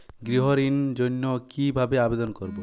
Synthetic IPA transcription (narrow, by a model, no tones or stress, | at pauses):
ɡɾiɦoɾind͡ʒonːokibʱabeabed̪onkoɾbo